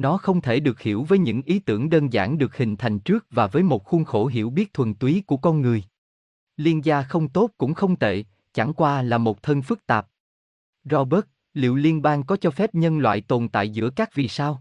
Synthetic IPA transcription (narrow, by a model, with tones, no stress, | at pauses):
nɔ˨˦xə˧wŋ͡mt̪ʰe˧˩ɗɨ˨˩ək̚hi˧˩əwvəː˨˦jɲɨ̰˧˥ŋʔi˨˦t̪ɨ˧˩əŋɗəː˧nza̰ː˧˩ŋɗɨ˨˩ək̚hï˨˩ŋ̟t̪ʰa˨˩jŋ̟t͡ɕɨ˦˥ək̚vaː˨˩vəː˨˦jmo˨˩t̚xu˧nxo˧˩ɦḭ˧˩əwɓi˦˥ət̚t̪ʰwə˨˩nt̪wi˨˦ku˧˩əkɔ˧nŋɨ˨˩əj | li˧ənzaː˧xə˧wŋ͡mt̪o˦˥t̚kʊ̰˧˥ŋ͡mxə˧wŋ͡mt̪ʰḛ˧˨ | t͡ɕa̰˧˩ŋkwaː˧laː˨˩mo˨˩t̚t̪ʰə˧nfɨ˦˥k̚t̪aː˨˩p̚ | zɔ˧ɓə˦˥t̚ | lḭ˧˨əwli˧ənɓaː˧ŋkɔ˨˦t͡ɕɔ˧fɛ˦˥p̚ɲə˧nlwa̰ː˧˨jt̪o˨˩nt̪a̰ː˧˨jzɨ̰˧˥əkaː˦˥k̚vḭ˨˩saː˧w